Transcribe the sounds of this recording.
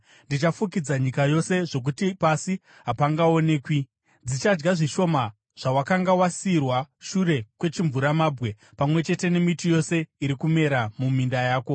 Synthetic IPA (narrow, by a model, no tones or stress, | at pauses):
ndit͡ʃafuk̬id͡zaɲikajo̞se̞ʐo̞k̬utipasi | ɦapaŋɡao̞ne̞ːkwi | d͡zit͡ʃad͡ʒɡaʐiʃo̞ma | ʐ̥awakaŋɡawasiːrwaʃuɾe̞kwe̞t͡ʃiɱvuɾamaːbɣe̞ | pamwe̞t͡ʃe̞te̞ne̞mitijo̞se̞iɾikume̞ɾamumindajaːko̞